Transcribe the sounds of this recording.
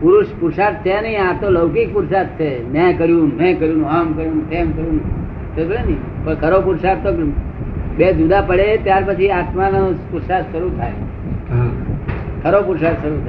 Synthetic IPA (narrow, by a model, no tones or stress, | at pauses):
puɾuʃpuɾsad̪̚t͡ʃʰenəɦĩat̪oləwkik̚puɾsad̪̚t͡ʃʰemɛ̃kəɾjũnɛ̃kəɾjũnũamkəɾjũnũkemkəɾjũnũ | t̪əɡɭenəĩ | pəɳkʰəɾopuɾsad̪t̪o | bed͡ʒud̪apəɽet̪jaɾpət͡ʃʰiat̪manopuɾsad̪ʃəɾut̪ʰaj | ɦa | kʰəɾopuɾsad̪ʃəɾut̪ʰa